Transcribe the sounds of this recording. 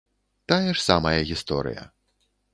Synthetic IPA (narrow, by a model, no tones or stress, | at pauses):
t̪ajɛʂsamɐjɐɣʲist̪ɔ̰ɾɨ̰jɐ̰